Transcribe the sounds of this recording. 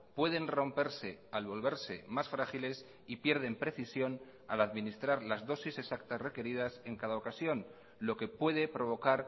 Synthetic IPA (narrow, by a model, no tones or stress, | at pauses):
pwe̞ðe̞nro̞mpe̞ɾse̞alβo̞lβe̞ɾse̞̰masfɾaχile̞s | ipje̞ɾð̞e̞mpɾe̞θisjo̞n | a̰laðmĩnist̪ɾaɾlazðo̞sise̞sak̚t̪asre̞ke̞ɾið̞ase̞ŋkaðaokasjo̞n | lo̞ke̞pwe̞ðe̞pɾo̞β̞o̞kaɾ